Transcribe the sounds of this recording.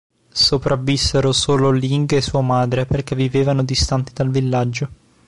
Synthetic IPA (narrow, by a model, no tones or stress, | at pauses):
sopɾʔavːisːeɾosoːloliŋɡesːuːamaːd̪ɾeperk̟evːiveːvanod̪ist̪ant̪id̪alvilːad͡ʒːo